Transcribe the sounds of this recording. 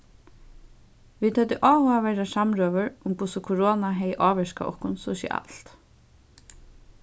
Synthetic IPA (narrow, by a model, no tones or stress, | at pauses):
ʋiːd̪t̪hɛt̪ɪʔɔːʋʊaʋɛɾasamɾœːʋəɹʊmkʰʊsʊkʰʊɹoːnaɦɛjʔɑːʋɛʃka̰ʔɔ̰hkʊnsɔʃɪ̰ʔa̰lt̪